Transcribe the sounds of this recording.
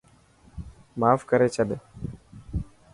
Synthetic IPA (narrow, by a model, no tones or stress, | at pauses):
maːfkəɾet͡ʃɐbe